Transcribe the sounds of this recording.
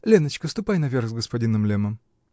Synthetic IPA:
lʲenət͡ɕkəst̪ʊpajnɐvʲerxzɡəspɐdʲinəmlʲeməm

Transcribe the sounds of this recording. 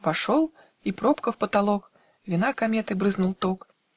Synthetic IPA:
vaʂɔw̪ˠ | ipɾɔpkɐwpɐt̪alˠɔk | vʲinakamʲɛt̪ɨbɾɨznulˠt̪ɔk

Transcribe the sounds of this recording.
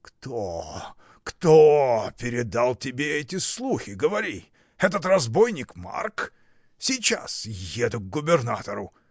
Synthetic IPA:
kt̪o | kt̪opʲɪɾʲɪd̪alˠtʲɪbʲeɛtʲɪslˠuxʲɪɡəvɐɾʲi | ɛt̪ət̪rɐzbojnʲɪkma̰rk | sʲɪt͡ɕa̰sjed̪ʊɡ̚ɡʊbʲɪrnat̪əɾʊ

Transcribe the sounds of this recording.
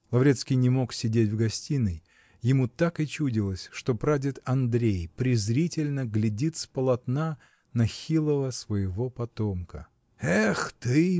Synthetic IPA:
lˠɐvɾʲe̞t̪skʲɪjnʲɪmo̞ksʲɪdʲetʲvɡɐsʲtʲinɨj | jɪmut̪akɪt͡ɕudʲɪlˠəsʲʂt̪o̞pɾadʲɪt̪ɐnd̪ɾʲejpɾʲɪzɾʲitʲɪlʲnəɡlʲɪdʲit̪spəlˠɐt̪na | nɐxʲilˠəvəsvəjɪvo̞pɐt̪o̞mkə̰ | ɛxt̪ɨ

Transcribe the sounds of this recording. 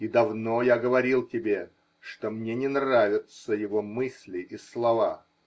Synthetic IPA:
id̪ɐvno̞jaɡəvɐɾʲilˠtʲɪbʲe̞ | ʂt̪o̞mnʲe̞nʲɪnravʲɪt̪səjɪvo̞mɨsʲlʲɪʔislˠɐva

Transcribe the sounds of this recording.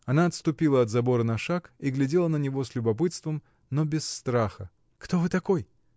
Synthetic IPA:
ɐnaɐt̪st̪ʊpʲilˠəɐt̪zɐbo̞ɾənɐʂakiɡlʲɪdʲelˠənənʲɪvo̞slʲʊbɐpɨt̪st̪vəm | nobʲɪsːt̪ɾaxə | kt̪ovɨt̪ɐkoj

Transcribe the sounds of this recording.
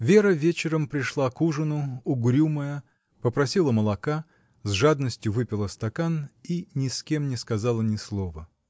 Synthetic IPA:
vʲe̞ɾəvʲet͡ɕɪɾəmpɾʲɪʂlˠakuʐɨnʊʊɡɾʲuməjə | pəpɾɐsʲilˠəməlˠɐka | zʐad̪nəsʲtʲjʊvɨpʲɪlˠəst̪ɐkaninʲɪskʲe̞mnʲɪskɐzalˠənʲɪslˠovə

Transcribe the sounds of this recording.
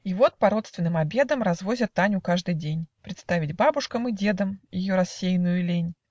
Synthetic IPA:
ivo̞t̪̚pɐɾo̞t̪st̪vʲɪnːɨmɐbʲe̞d̪əmrɐzvo̞zʲət̪ːanʲʊkaʐd̪ɨjdʲenʲpɾʲɪt̪st̪avʲɪdʲbabʊʂkəmɨdʲe̞d̪əmjɪ̰joɾɐsʲːejnʊjʊlʲenʲ

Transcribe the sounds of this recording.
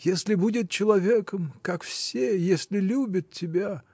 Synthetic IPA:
jesʲlʲɪbudʲɪt̪̚t͡ɕɪlˠɐvʲekəmkakfsʲejesʲlʲɪlʲubʲət̪̚tʲːɪbʲa

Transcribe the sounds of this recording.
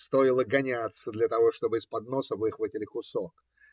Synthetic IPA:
st̪o̞ɪlˠəɡɐnʲat̪səd̪lʲɐt̪ɐvo̞ʂt̪o̞bɨɪspɐd̪no̞səvɨxvətʲɪlʲɪkʊsok

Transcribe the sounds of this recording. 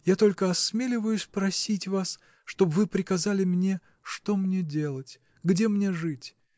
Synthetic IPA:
jat̪o̞lʲkəɐsmʲelʲɪvəjʊsʲpɾɐsʲitʲvas | ʂt̪o̞bvɨpɾʲɪkɐzalʲɪmnʲe̞ | ʂt̪o̞mnʲe̞dʲe̞lˠətʲ | ɡdʲe̞mnʲe̞ʐɨtʲ

